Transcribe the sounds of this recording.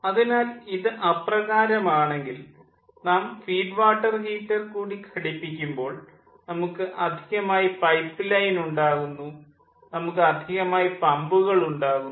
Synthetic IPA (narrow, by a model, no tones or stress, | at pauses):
ɐðinaːliðɨʔɐprɐɣaːɾɐmaːɳe̞ŋɡil | naːmfiːɖʋaːʈːɐrhiːʈːɐrkuːɽikʰɐɽipːikʲːumbo̞ːɭ | nɐmukːɨʔɐd̪ʱiɣɐmaːjipɐjpːɨlɐjnuɳɖaːɣunːu | nɐmukːɨɐd̪ʱiɣɐmaːjipɐmbuɣɐɭuɳɖaːɣu